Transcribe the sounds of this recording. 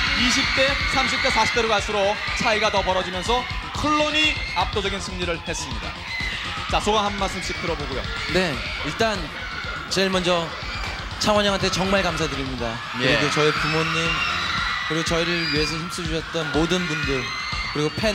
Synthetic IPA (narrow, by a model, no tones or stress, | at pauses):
iɕ̬ʰip̚t͈e̞sʰamɕʰip̚t͈esʰaɕʰi̥p̚t͈eɾoɡaɭs͈ʰuɾot͡ɕʰaiɡatʌpʌɾʌd͡ʑimjʌnsʰʌ | kʰɯɭːoɲiap̚t͈od͡ʑʌɡinsʰɯŋɲiɾɯɭhe̞s͈ɯmɲida̰ | t͡ɕasʰoɡaɦanːas͈ɯmɕ͈ik̚t͈ʰɯɾʌboɡujo̰ | ne̞ | iɭt͈an | t͡ɕeiɭmʌnd͡ʑʌ | t͡ɕʰaŋwaɲaŋɦantʰet͡ɕʌŋmaɭkams̬ʰadɯɾimɲida | kɯɾiɡot͡ɕʌipumoɲːimkɯɾiɡot͡ɕʌiɾɯɭɥie̞sʰʌçims͈ʰud͡ʑuɕʰʌt̚t͈ʌnmodɯnbundɯɭ | kɯɾiɡopʰe